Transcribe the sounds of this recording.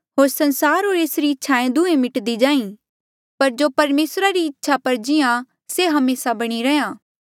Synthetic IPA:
ɦoːɾsɐ̃nsaːɾɦoːɾeːsɾiɪtːʃʰaẽd̪uẽmɪʈd̪id͡ʒãːĩ | pɐɾd͡ʒoːpɐɾmeːsɾaɾiɪtːʃʰapɐɾd͡ʒɪjã | seɦɐmeːsabɐɽ̃iɾɛjãː

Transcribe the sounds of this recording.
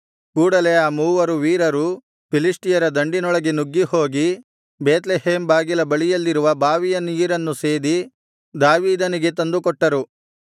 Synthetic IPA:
kuːɽɐle̞aːmuːʋɐɾuʋiːɾɐɾu | pilisʈijɐɾɐd̪ɐɳɖinɔɭɐɡenuɡːiho̞ːɡi | beːt̪leɦeːmbaːɡilɐbɐɭijɐlːiɾuʋɐbaːʋijɐniːɾɐnːuseːd̪i | d̪aːʋiːd̪ɐniɡe̞t̪ɐnd̪ukɔʈːɐɾu

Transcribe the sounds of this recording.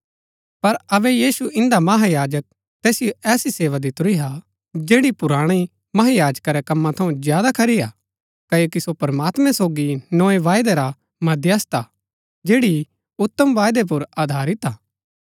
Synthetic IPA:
pɐɾɐbɛjiːsuɪ̃nd̪amɐɦajaːd͡ʒək̚ | t̪ɛːsɪjoʔɛːsiseːʋad̪it̪ʊɾiɦa | d͡ʒeːɽipʊɾaːɽ̃i | mɐɦajaːd͡ʒkaɾɛkɐmːãt̪ʰɐũzjaːd̪akʰɐɾija | kɐjokisopɐɾmaːt̪mɛ̃soːɡinoːeʋaːjd̪eɾa | mɐd̪jɐst̪a | d͡ʒeːɽi | ʊt̪ːəmʋaːjd̪ep̬ʊɾaːd̪ʱaːɾɪt̪aː

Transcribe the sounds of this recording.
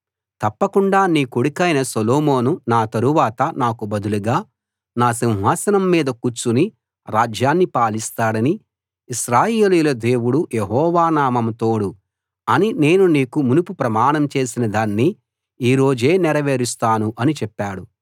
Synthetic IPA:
t̪ɐpːɐkuɳɖaːniːkoɽikɐjnɐsoloːmo̞ːnunaːt̪ɐɾuʋaːt̪ɐnaːkubɐd̪uluɡaː | naːsiw̃ɦaːsɐnɐmːiːd̪ɐkut͡ʃːuni | ɾaːd͡ʒjaːnːipaːlist̪aːɽɐni | iʃɾaːjeːlijulɐd̪e̞ːwuɽujeɦɔːʋaːnaːmɐmt̪o̞ːɽu | ɐnine̞ːnuniːkumunupupɾɐmaːɳɐmt͡ʃe̞ːsinɐd̪aːnːi | iːɾo̞ːd͡ʒe̞ːnɛɾɐʋeːɾist̪aːnuʔɐnit͡ʃɛpːaːɽu

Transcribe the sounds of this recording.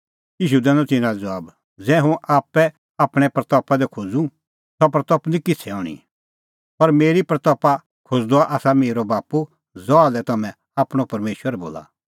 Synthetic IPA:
jiːʃ̬ud̪ɛ̃ːnɔ̃t̪ɪ̃nãd͡zɐʋaːb | d͡zɛɦʊ̃ʔaːpːɛ | aːpɽ̃ɛpɾɐt̪ɔpad̪ɛkʰod͡zũ | t̪ɔpɾɐt̪ɔpnĩkɪt͡sʰɛɔːɽ̃ḭ | pɐɾmeːɾipɾɐt̪ɔpa | kʰod͡zd̪oaʔaːsameːɾobaːpu | zɔalɛt̪ɐmɛ̃ | aːpɽ̃opɐɾmeːʃwəɾbo̰ːla̰

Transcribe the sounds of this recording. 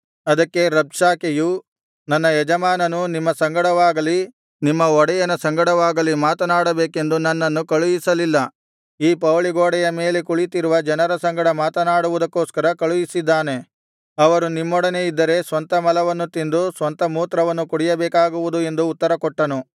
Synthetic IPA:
ɐd̪ɐkːe̞ɾɐbʂaːkeju | nɐnːɐɛd͡ʒɐmaːnɐnunimːɐsɐŋɡɐɽɐʋaːɡɐli | nimːɐɔɽɛjɐnɐsɐŋɡɐɽɐʋaːɡɐlimaːt̪ɐnaːɽɐbeːke̞nd̪unɐnːɐnːukɐɭujisɐlilːɐ | iːpɐʋɭiɡoːɽɛjɐme̞ːle̞kuɭit̪iɾuʋɐd͡ʒɐnɐɾɐsɐŋɡɐɽɐmaːt̪ɐnaːɽuʋud̪ɐkːoːskɐɾɐkɐɭujisid̪ːaːne̞ | ɐʋɐɾunimːɔɽɐne̞id̪ːɐɾe̞sʋɐnt̪ɐmɐlɐʋɐnːut̪ind̪usʋɐnt̪ɐmuːt̪ɾɐʋɐnːukuɽijɐbɛːkaːɡuʋud̪ue̞nd̪uːt̪ːɐɾɐkɔʈːɐnu

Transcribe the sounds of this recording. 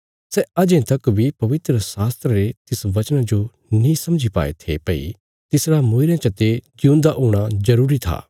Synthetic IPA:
sɛɐd͡ʒẽt̪ɐkbʱipɐʋɪt̪ɾəsaːst̪ɾəɾet̪ɪsʋɐt͡ʃnãd͡ʒo | nĩsɐ̃md͡ʒʱipa̰ːḛt̪ʰepɐḭ | t̪ɪsɾamõːɪɾjãt͡ʃɐt̪ed͡ʒiũːnd̪aʔoːɽ̃azɐɾuːɾit̪ʰa̰ː

